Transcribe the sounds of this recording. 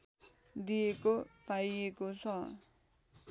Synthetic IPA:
d̪ijekopajekot͡sʰʌ̃

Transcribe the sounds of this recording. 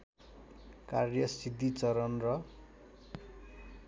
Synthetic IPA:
karjʌsid̪it͡sʌɾʌnrʌ

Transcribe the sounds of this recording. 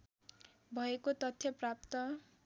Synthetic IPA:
bʱʌekot̪ʌt̪ʰːjʌprap̚t̪ʌ

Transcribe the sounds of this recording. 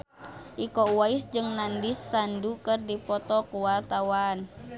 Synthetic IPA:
ʔikɔuwaisd͡ʒɨŋnandisːandukɨrdipɔt̪ɔkuwart̪awan

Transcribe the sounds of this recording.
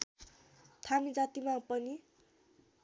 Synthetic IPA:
t̪ʰamid͡zat̪imapʌni

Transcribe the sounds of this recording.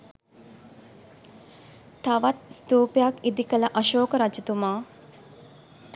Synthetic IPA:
t̪aʋat̪st̪uːpejakid̪ikələʔaʃoːkəɾat͡ʃit̪umaː

